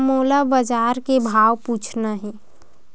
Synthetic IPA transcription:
moːlabəd͡ʒaːɾkebʱaːwpuːt͡ʃʰnaɦɛː

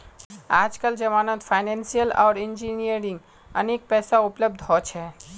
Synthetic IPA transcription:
aːd͡ʒkəld͡ʒəmaːnət̪fʰaɪnẽnsijəla̰ːɾɪnd͡ʒinijəɾɪ̃ŋɡ | ə̰nek̚pɛːsaʊpləb̚d̪ʱɦɔt͡ʃʰɛ

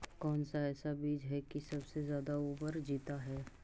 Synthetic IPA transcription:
kɔːnsaɛːsabiːd͡ʒɦɛkisɐbsezjaːd̪auːpəɾd͡ʒiːt̪aɦɛː

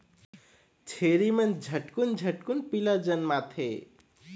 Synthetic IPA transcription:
t͡ʃʰeɾimənd͡ʒʱəʈkund͡ʒʱəʈkunpilad͡ʒənmat̪ʰe

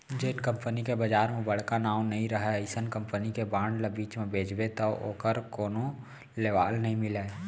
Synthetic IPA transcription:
d͡ʒeːʈkə̃mpənikebəd͡ʒaːɾmẽbɐɽ̤kanaːwnɐɦĩɾəɦeɪsənkə̃mpənikebãːɳɖlabiːt͡ʃmẽbʱeːd͡ʒbet̪oo̰ːkəɾkoːno | leːʋaːlnəɦĩmɪleː

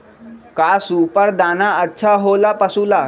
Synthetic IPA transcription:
kasuːpəɾd̪anaətːʃʰaɦolapəsuːla

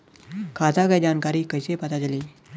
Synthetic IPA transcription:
kʰad͡zakajd͡ʑankaɾiːkəjsepat̪ad͡zaliː

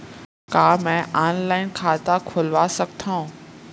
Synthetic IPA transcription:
kaːmɛ̃ːʔaːnlaːɪnkʰaːt̪akʰʊlʋasɐk̚t̪ʰaũ

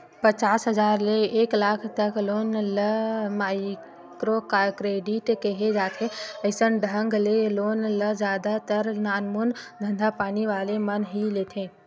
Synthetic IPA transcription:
pət͡ʃaːsɦəd͡ʒaːɾleeklaːkʰt̪əkloːnləmaɪ | kɾokakɾeːɖiʈkeɦed͡ʒaːt̪ʰeəɪsənɖʱə̃ŋɡleloːnləd͡ʒaːd̪at̪əɾnaːnmund̪ʱə̃nd̪ʱapaːniʋaːlemənɦilet̪ʰẽ

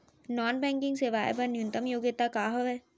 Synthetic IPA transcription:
nɔːnbɛ̃ːŋkɪ̃ŋɡseʋaːjbɐnjʊ̃nt̪əmjoːɡɪt̪akaːɦoʋɛː

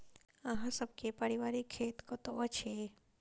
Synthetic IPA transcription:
əɦãsəb̚kepəɾiʋaɾikʰːeːt̪kɔt̪oət͡ʃʰe

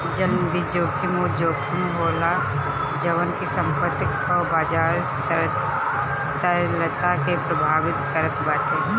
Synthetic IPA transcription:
d͡ʒəlmd̪id͡ʒoːkʰimod͡ʒoːkʰimɦoːla | d͡ʒɐʋənkisə̃mpət̪ːɪkɔbaːd͡ʒaːɾ | t̪əɾlət̪akepɾɐbʱaːʋɪt̪kəɾət̪baːʈ̪e

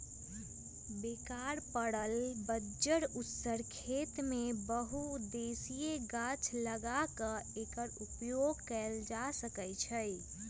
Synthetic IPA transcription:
bekaɾpəɽəlbəd͡ʒəɽut̪səɾkʰet̪mebəɦud̪esijeɡat͡ʃʰləɡakə̃ekəɾupjoɡkɛld͡ʒasəkət͡ʃʰəj

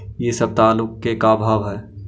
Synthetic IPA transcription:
jesəb̚t̪aːlʊkːekabʱaːʋɦɛː

